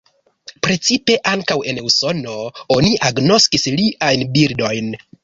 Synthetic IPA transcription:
pɾe̞t͡sipe̞ʔaŋkawe̞neuso̞no̞oniʔaɡno̞skisliʔajnbiɾdo̞jn

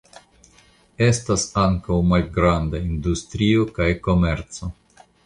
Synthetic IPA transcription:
e̞stasaŋkawmalɡɾandaindustɾio̞kajko̞me̞ɾt͡so̞

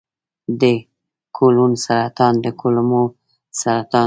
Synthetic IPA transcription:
d̪ə | kʰolunsaɾat̪ɑnd̪əkʰolmo | saɾat̪ɑ

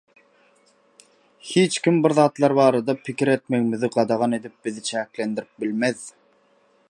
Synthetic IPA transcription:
hiːt͡ʃkʲimbiɾðɑːt̪lˠɑɾbɑːɾɑd̪ɑpʰikʲiɾe̞t̪̚me̞ɣmiðiɡɑd̪ɑʁɑne̞d̪ip̚biðit͡ʃʰæːklend̪iɾip̚bilmeð

